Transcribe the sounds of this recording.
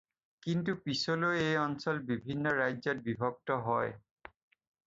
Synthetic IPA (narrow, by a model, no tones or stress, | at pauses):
kintupisoloejɔnsɔlbibʱinːɔɹajzɔt̚bibʱɔɡ̚tɔɦɔj